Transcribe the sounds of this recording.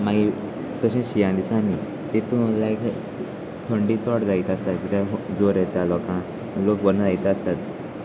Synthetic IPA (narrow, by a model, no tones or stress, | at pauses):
maɡi | t̪ɔɕẽɕijãd̪isãni | t̪et̪ũlajk | t̪ʰoɳɖit͡sɔʈd͡zajt̪ast̪at̪kit̪ãd͡zoɾet̪alɔkã | lokbənad͡zajt̪ast̪at̪